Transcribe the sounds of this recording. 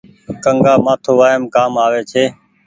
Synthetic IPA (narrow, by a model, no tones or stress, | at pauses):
kəŋɡaːmaːt̪ʰoːʋaːjəmkaːmaːʋeːt͡ʃʰeː